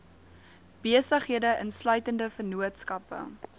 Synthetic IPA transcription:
b̥iəsəχɦiədəʔənslœɥtəndəfərnuətskɐpə̰

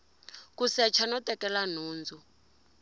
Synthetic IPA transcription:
kusɛt͡ʃʰanɔtʼɛkɛlan̤uːnd͡zʱu

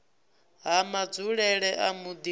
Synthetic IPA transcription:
ɦamad͡zuɺɛɺɛʔamud̪i

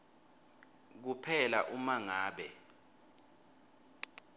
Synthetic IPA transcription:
k̬upʰɛlaʔumaŋaːɓɛ

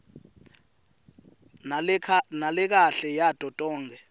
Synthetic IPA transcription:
nalɛk̬aɬɛjatʼɔtʼɔːŋɡʱɛ

